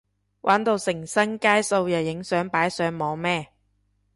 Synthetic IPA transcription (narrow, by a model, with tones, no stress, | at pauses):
wʔaː˨˥nt̪o˧wsɪ˨˩ŋsɐ˥ŋkaː˥jso˧wjɐ˨˩wjɪ˨˥ŋsœː˨˥ŋpaː˨˥jsœː˨˧˥ŋmɔː˨˧mɛː˥˩